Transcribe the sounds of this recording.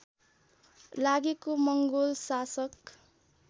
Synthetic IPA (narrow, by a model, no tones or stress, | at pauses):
laɡikomʌŋɡolsasʌk